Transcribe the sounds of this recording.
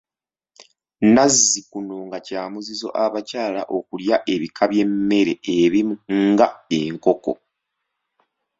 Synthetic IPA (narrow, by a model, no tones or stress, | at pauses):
nazːikuno̞ŋɡacaːmuzizo̞ʔaβacaːlaʔo̞kuljaʔe̞βikʰaβje̞mːe̞ɾe̞eβimuŋɡae̞ŋko̞ko̞̰